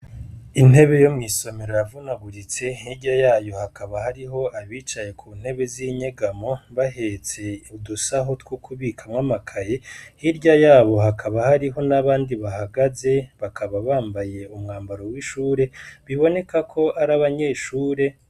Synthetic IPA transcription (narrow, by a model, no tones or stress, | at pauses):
in̥he̞βe̞jomŋiːso̞me̞ɾojavunaɡuɾit͡se̞hiɾɟajaːjo̞hakaβahaɾiɦo̞ʔaβiːt͡ʃaje̞kʰuːn̥he̞βe̞ziɲeɡamo̞βaɦe̞t͡se̞udusaɦo̞twokʰuβiːkʰamŋamakʰaje̞hiɾɟajaːβo̞hakʰaβahaɾiɦo̞naβaːndiβahaɡaze̞βakʰaβaβaːmbaje̞umŋaːmbaɾo̞wiʃuːɾe̞βiβo̞ne̞kakʰo̞ʔaɾaβaɲe̞ːʃuːɾe̞